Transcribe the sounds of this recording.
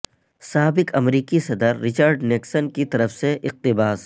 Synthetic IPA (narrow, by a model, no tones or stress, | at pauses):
saːbɪkɐmɾiːkisɐd̪əɾːɪt͡ʃəɾɖnɪksənkit̪ɐɾəfseʔɪq̚t̪ɪbaːs